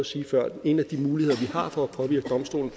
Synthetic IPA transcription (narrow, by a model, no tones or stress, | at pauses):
ɒsiːfɶɐ̰̥e̝næd̥imuːlihe̝ð̞̰ˠɐʋihɑ̈fɒ̽æpʰɒ̽ʋiɐɡ̥əd̥ɒ̽msd̥o̝̰ːln̩